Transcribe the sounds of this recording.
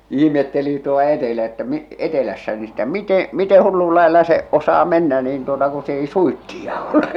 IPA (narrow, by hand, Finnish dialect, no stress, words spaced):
ihmetːeli tuol̥ɑ̥ etelæ etːæ etelæsːæ ni stæ mite mite hulːul lɑelːɑ se osɑː menːæ niːn tuotɑ ku s ei suitːiɑ ole